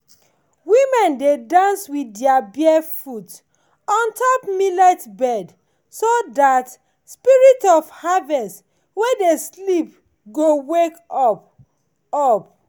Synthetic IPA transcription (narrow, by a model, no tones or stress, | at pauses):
wimɛ̃ndedãnswidɛabiɛfut | ɔ̃ntʰɔpmilɛtbɛd | sodat | spiɹitɔvhavɛst | wɛdeslip | ɡowekɔp | ɔp̚